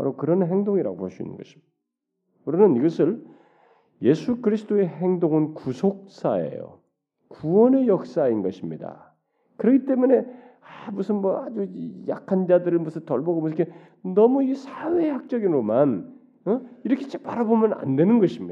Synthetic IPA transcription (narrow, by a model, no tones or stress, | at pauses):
pa̰ɾokɯɾʌnɦeŋdoŋiɾa̰ɡo̰pos͈uḭnːɯ̰nɡʌɕʰi̥ | kɯɾʌmjʌniɡʌsʰɯɭ | je̞sʰukɯɾisʰɯ̥t͈ʰoe̞ɦeŋdoŋɯnkusʰok̚s͈aḛjo̰ | kuʌne̞jʌk̚s͈ainɡʌɕʰimɲida̰ | kɯɾʌɡit͈e̞mune̞amusʰɯnmʌad͡ʑuija̰kʰand͡ʑadɯɾɯɭmusʰɯntʌɭbʌɡomusʰɯkʰe | nʌmuisʰawe̞hak̚t͡ɕ͈ʌɡinɾoman | iɾʌkʰet͡ɕʰe̥paɾabomjʌna̰nde̞nɯnɡʌɕʰimɲi